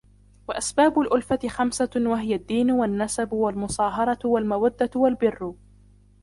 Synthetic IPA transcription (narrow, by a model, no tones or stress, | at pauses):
waʔasbaːbʊlʔʊlfat̪ɪxamsawaɦɪjad̪ːiːnʊwanːasabwalmʊsˤɑːɦɑɾˤɑwalmawad̪ːawalbɪrːʊ